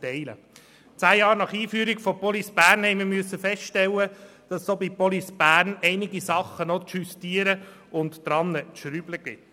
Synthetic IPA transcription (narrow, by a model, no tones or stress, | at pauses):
tɛɪlə̰ | t͡sæːjɑːɾnɑχiːfyːɾiɡ̥fɔpɔlisb̥æːɾnhɛɪmiɾmyəsːəfɛstʃtɛlːəd̥ɑssoːbipɔlisb̥æːɾnɛɪnɪɡisɑχənɔtʃystiəɾə | ʊnt̪d̥̪ɾɑnːətʃɾyːbləɡ̥ɪt